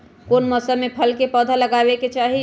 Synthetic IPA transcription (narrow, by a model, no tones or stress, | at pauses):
koːnmɔsəmːepʰəlkepəːd̪ʱaləɡaːbeket͡ʃaːɦi